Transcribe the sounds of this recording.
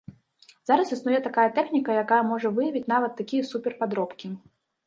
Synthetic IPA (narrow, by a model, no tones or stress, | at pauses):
z̥aɾɐsisnujɛt̪akajɐt̪ɛxnʲikɐjakajɐmɔʐɐvɨjɐvʲit͡sʲnavɐt̪ːakʲijɐsupʲɛrpad̪ɾɔpkʲi